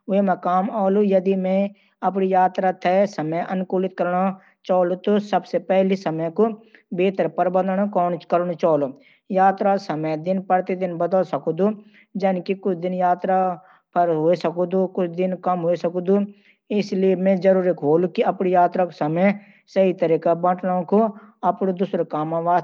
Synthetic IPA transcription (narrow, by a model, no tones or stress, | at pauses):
wemɛ̃kaːmaːlujɐd̪imɛ̃ | ɐp̬nijaːt̪ɾat̪ʰɛsəməjʔɐnkuːlɪt̪̚kəɾna | t͡ʃaːlot̪osəbsepɛɦlisəməjkobeːt̪əɾpəɾbə̃nd̪nokɔːnkəɾnot͡ʃaːlo | jaːt̪ɾasəməjd̪ɪnpəɾt̪ed̪ɪnbəd̪əlsəkd̪u | d͡ʒɐnkikʊt͡ʃʰd̪ɪnjaːt̪ɾa | pʰəɾɦoːisəkod̪okʊt͡ʃʰd̪ɪnkɐmɦoisəkd̪u | ɪsliemẽd͡ʒəɾuːɾikʰoːlkiɐpnijaːt̪ɾakosəməj | səɦit̪əɾiːkabə̃ːʈnõkoɐpnod̪ʊsɾekaːmãʋaː